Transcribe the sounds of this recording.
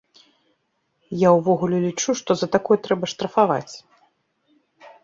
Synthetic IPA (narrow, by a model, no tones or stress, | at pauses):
jawvɔɣulʲɛlʲit͡ʂuʂt̪ɔzɐt̪akɔjɛt̪ɾɛbɐʂt̪ɾɐfava̰t͡sʲ